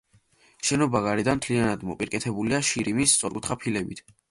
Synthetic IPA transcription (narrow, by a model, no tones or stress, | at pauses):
ʃɛnɔbaɡaɾid̪anmt̪ʰlianad̪mɔpʼiɾkʼɛt̪ʰɛbuliaʃiɾimist̪sʼɔɾkʼut̪ʰχapʰilɛbit̪ʰ